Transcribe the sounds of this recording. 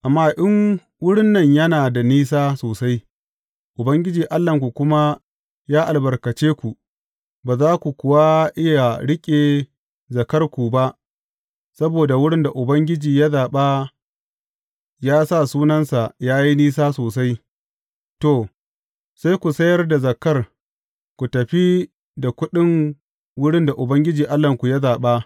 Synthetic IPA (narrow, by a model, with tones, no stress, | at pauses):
ʔa˨mːaː˦ʔɪ˦ŋ | wʊ˦ɽɪ˦nːɐ˨ɲjɐ˦naː˨da˨niː˦s̬aː˦soː˨sa˦j | ʔʊ˨bɐ˦ŋɡʲɪ˦d͡ʒiː˨ʔa˦lːɐ˨ŋkʷu˨kʷʊ˦ma˦ | jaː˦ʔa˨lbɐ˨rkɐ˨t͡ʃeː˦kʷu˨ | baː˨zaː˦kʷu˨kʷʊ˦wa˦ʔɪ˦ja˨ɽɪ˦kʲʼeː˨ | zɐ˨kɐ˦rkʷu˨ba˦ʔ | sɐ˦boː˨da˨wʊ˦ɽɪ˦nda˨ʔʊ˨bɐ˦ŋɡʲɪ˦d͡ʒiː˨ja˦zaː˨ɓa˦ | jaː˦sa˦˨suː˦nɐ˦nsa˨jaː˦ji˦niː˦s̬aː˦soː˨sa˦j | to˨ | sa˦jkʷu˨sɐ˦jɐ˦rda˨zɐ˨kɐ˦r | kʷu˨tɐ˨ɸi˦ | da˨kʷʊ˦ɗɪ˦ŋ | wʊ˦ɽɪ˦nda˨ʔʊ˨bɐ˦ŋɡʲɪ˦d͡ʒiː˨ʔa˦lːɐ˨ŋkʷu˨ja˦zaː˨ɓa˦